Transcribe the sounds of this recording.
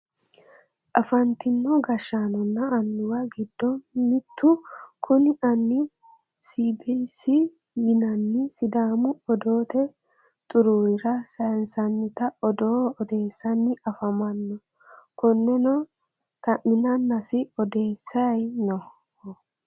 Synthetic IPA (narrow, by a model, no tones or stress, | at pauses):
ʔɐfɐnt̪ɪnːɔɡɐʃːanɔnːɐɐnːʊwɐɡɪd̪ːɔnmɪt̪ːʊkʰʊnɪʔɐnːɪ | sibisɪ | jɪnɐnːɪsɪd̪aːmʊɔd̪oːt̪ɛ | t̪ʼʊɾuːɾɪɾɐsɐnsɐnːɪt̪ɐɔd̪oːɔd̪e̞ːsːɐnːɪʔɐfɐmɐnːɔ | kɔnːɛnɔ | t̪ɐʔɪnɐnːɐsɪɔd̪e̞ːsːɐjnɔ